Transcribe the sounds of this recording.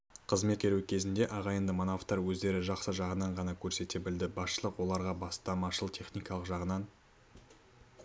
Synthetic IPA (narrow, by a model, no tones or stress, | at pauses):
qʰəzme̞t̪̚kʲʰeɾukʲʰe̞zɪnd̪e̞ʔɑʁɑjənd̪əmonaft̪ːɑɾwɵzd̪e̞ɾɪʒɑqsəʒɑʁənɑɴʁɑnɑkʲʰɵɾse̞t̪e̞bɪld̪ɪbɑsʃəlˠəqwo̞lˠɑɾʁɑbɑst̪ɑmɑʃəlˠt̪ʰe̞χnijkɑlˠəqʒɑʁənɑɴ